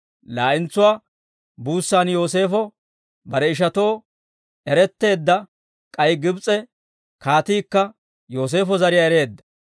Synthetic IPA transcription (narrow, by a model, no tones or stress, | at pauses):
laːʔɪnt͡sːʊwaː | buːsːaːnjo̞ːs̬e̞ːfɔ | bɐɾɛɪʃ̬ɐt̪o̞ː | ɛɾɛt̪ːe̞ːd̪ːɐ | kʼɐjɡɪbt͡sʼɛ | kaːt̪iːkːɐ | jo̞ːs̬e̞ːfɔzɐɾɪjaɛɾe̞ːd̪ːɐ̥